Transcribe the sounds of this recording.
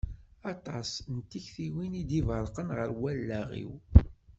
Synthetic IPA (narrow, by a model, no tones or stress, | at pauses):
ɑt̪ˤɑsnt̪ːiçθiwinid̪ivəɾqənʁəɾwælːæʁḭw